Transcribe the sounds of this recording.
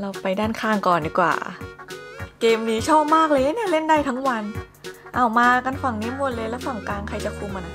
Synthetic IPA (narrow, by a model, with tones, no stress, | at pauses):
la˧wpa˧jdaː˥˩nkʰaː˧˥˩ŋkɔː˨˩ndiː˨˩kwa̰ː˨˩ | keː˧mniː˦˥t͡ɕʰɔː˥˩p̚maː˥˩k̚lɤː˧˦ni˥˩ɐ˨le˥˩nda˥˩jt̪ʰa˦˥ŋwa˧n | ʔa˨˩wmaː˧ka˧nfa˨˩ŋni˧˦˥mu˧˩nlɤː˧lɛː˦˥˩wfa˨˩ŋkaː˧ŋkʰa˧jt͡ɕa˨˩kʰuː˧ma˧na˧˩